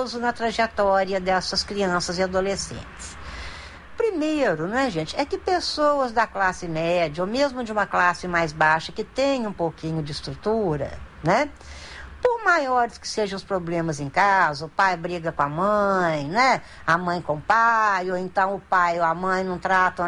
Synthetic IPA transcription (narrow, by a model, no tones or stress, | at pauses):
zʊnɐt̪ɾɐʒet̪ɔɾiɐd̪ɛsɐskɾiɐ̃sɐzɪad̪olesḛ̃t͡ʃɪ̥s | pɾimeɾʊñɛʒẽt͡ʃɪɛkɪpesowɐzd̪ɐklasɪmɛd͡ʒɐomezmʊd͡ʒɪũmɐklasɪmajzbaʃɐkɪt̪ẽj̃ũpowkĩɲʊd͡ʒɪst̪ɾut̪uɾɐ̰ | nɛ | poɾmajɔɾɪskɪ̥seʒɐ̃w̃ʊspɾoblẽmɐzẽj̃kazɐʊpajbɾiɡɐkõamɐ̃j̃nɛ | ɐmɐ̃j̃kõpajoẽnt̪ɐ̃w̃ʊpajoɐmɐ̃j̃nɐ̃w̃t̪ɾat̪ɐ̃w̃